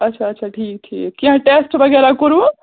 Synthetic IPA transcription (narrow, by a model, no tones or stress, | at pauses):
ətːt͡ʃʰaətːʃʰaʈʰiːk̚t͡ʃʰḭkiɦə̃ʈesʈbʱəɡeɾakoɾũ